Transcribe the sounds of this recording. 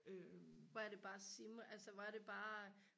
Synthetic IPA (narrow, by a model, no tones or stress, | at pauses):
øʋɒæɐd̥e̝b̥ɑ̈ːsimælsəʋɑæɐɾ̥e̝b̥ɑ̈ː